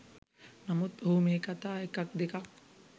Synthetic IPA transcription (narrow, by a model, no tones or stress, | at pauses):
nɐmud̪̚bʱɐumeːkat̪aːekak̚d̪ekak̚